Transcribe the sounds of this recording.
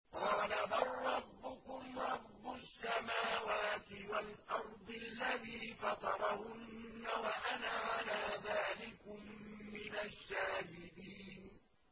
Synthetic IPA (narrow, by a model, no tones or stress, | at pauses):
qɑːlabɑrˤːɑbːʊkʊmɾˤɑbːʊsːamaːwaːt̪ɪwalʔɑɾˤd̪ˤɨlːaðiːfɑt̪ˤɑɾˤɑhʊnːawaʔanaːʕalaːðaːlɪkʊmːɪnaʃːaːhɪd̪iːn